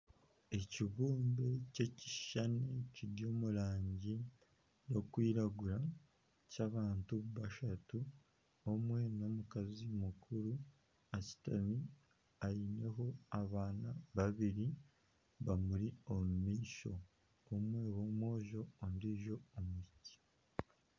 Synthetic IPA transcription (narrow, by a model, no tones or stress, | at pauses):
e̞ciβuːmbe̞ce̞ci̥ʃaneciɾjo̞ːmuɾaːɲɟi | jo̞kwiːɾaɡuɾa | caβaːntuββaʃatu | omwe̞no̞mukazimukʰuɾu | aci̥tami | ajine̞ɦo̞aβaːnaβaβiɾi | βamuɾio̞mumiːso̞ | omwe̞ːβo̞mwo̞ːʒo̞ːndiʒo̞omuci̥